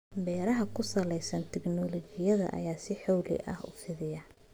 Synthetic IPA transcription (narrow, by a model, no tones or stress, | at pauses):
bɛːɾɐɦɐkʰʊsɐlɛjsɐnt̪ʰɛɡnɔlɔt͡ʃɪjɐðɐ̰ʔɐ̰jaːsɪħɔwlɪ̰ʔɐ̰hʊ̰fɪðɪjɐ